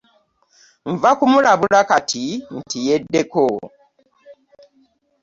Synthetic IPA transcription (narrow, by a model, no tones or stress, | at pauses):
ɱvakumuɾaβulakatʰin̩tijedːeko